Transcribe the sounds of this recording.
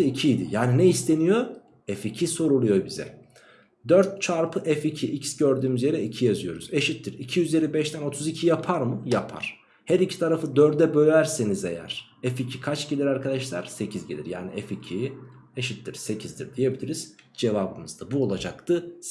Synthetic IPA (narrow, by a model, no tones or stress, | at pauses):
icʰijd̪ḭjaːninɛist̪ʰe̞nijo̞ | ɛficʰiso̞ɾulˠujo̞bizɛ̰ | d̪øɾt̪̚t͡ʃʰaɾpʰɯʔɛficʰiʔicsɟøɾd̪yːmyzje̞ɾɛicʰijazɯjo̞ɾuze̞ʃit̪ʰːiɾicʰijyzjeɾʲibɛʃt̪ʰæno̞t̪ʰuzicʰijapʰaɾmɯjapʰa̰ɾ̥ | hɛɾicʰi̥t̪ʰaɾafɯd̪øɾd̪ɛbø̞jʲæɾsenizɛ̰jæ̰ɾ̥ | ɛficʰikʰat͡ʃɟelʲiɾaɾkʰad̪aʃlˠa̰ɾ̥se̞cʰizɟe̞lʲḭɾja̰ːnḭʔɛficʰieʃit̪ʰːiɾse̞cʰizd̪iɾd̪ije̞bilʲiɾiz̥ | d͡ʒe̞vabɯnɯzd̪abuo̞lˠad͡ʒa̰kt̪ʰɯ